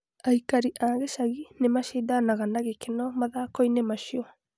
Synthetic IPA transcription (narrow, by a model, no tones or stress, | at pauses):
aikaɾiʔaːɣeʃaɣinemaʃedanaɣanaɣekenɔmaðaːkɔinemaʃiɔ